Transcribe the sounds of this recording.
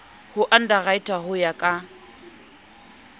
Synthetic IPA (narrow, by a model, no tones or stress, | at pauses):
hʊʔan̩daɣaitʼaɦʊjakʼa